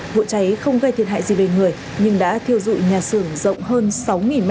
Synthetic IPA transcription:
vṵ˧˨t͡ɕa˨˦jxə˧wŋ͡mɣə˧jt̪i˨˧˨ənɦa̰ː˧˨zi˨˩ve˨˩ŋɨ˨˩əj | ɲɨ˧ŋɗa̰ː˧˥t̪ʰi˧əwzṵ˧˨jɲaː˨˩sɨ˧˩əŋzə̰˧˨wŋ͡mɦəː˧nsa˨˦wŋi˨˩nm

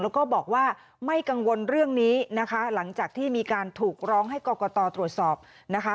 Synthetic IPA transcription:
lɛː˦˥wkɔː˥˩bɔː˨˩k̚waː˥˩ | ma˥˩jka˧ŋwo˧nɾɯ˥˩əŋniː˦˥na˦˥kʰa˦˥la˩˦ŋt͡ɕaː˨˩k̚t̪ʰiː˥˩miː˧kaː˧nt̪ʰuː˨˩k̚ɾɔː˦˥ŋɦa˥˩jkɔː˧kɔː˧t̪ɔː˧t̪ɾu˨˩ət̪̚sɔː˨˩p̚ | na˦˥kʰa˦˥

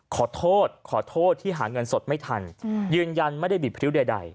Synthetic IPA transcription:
kʰɔː˩˦t̪ʰoː˥˩t̪̚kʰɔː˩˦t̪ʰoː˥˩t̪ʰːiː˥˩ɦaː˩˦ŋɤ˧nso˨˩t̪̚ma˥˩jt̪ʰa˧njɯː˧nja˧nma˥˩jda˥˩bi˨˩pʰɾi˦˥wda˧da̰˧j

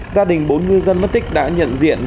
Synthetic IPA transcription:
zaː˧ɗï˨˩ŋ̟ɓo˨˦nŋɨ˧zə˧nmə˦˥t̚t̪ï˦˥k̟̚ɗa̰ː˧˥ɲə̰˧˨nzḭ˧˨ən

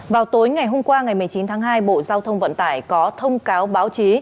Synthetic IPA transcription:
vaː˨˩wt̪o˨˦jŋa˨˩jɦo˧mkwaː˧ŋa˨˩jm˨˩jt͡ɕi˨˦nt̪ʰaː˨˦ŋɦaː˧jɓo̰˧˨zaː˧wt̪ʰə˧wŋ͡mvə̰˧˨nt̪aː˧˩jkɔ˨˦t̪ʰə˧wŋ͡mkaː˨˦wɓaː˨˦wt͡ɕi˨˦

